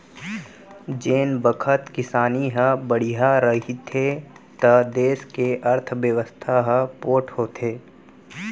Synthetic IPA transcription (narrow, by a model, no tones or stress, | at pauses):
d͡ʒeːnbəkʰət̪kɪsaːniɦəbəɽ̤iɦaɾəɦit̪ʰet̪ɐd̪eːskeʔɐɾt̪ʰʋjəʋəst̪ʰaɦəpoːʈʰhoːt̪ʰeː